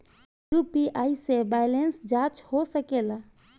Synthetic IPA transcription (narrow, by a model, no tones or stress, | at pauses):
jupiaːisebɛːjlensd͡ʒãːt͡ʃhosəkeːla